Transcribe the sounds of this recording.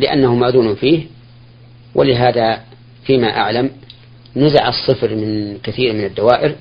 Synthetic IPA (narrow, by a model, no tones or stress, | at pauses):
lɪʔa̰nːahʊmːaðuːnufiːh | wʔɪ̰lɪɦaːða | fiːmaʔa̰ʕlam | nʊzaʕɑsˤːɨfɾmɪnkɪθiːɾmɪnad̪ːawaːʔɪɾ